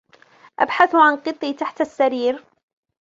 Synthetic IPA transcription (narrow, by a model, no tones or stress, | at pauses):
ʔa̰bħaθʕanqɨt̪ˤːiːt̪aħt̪asːaɾiːɾ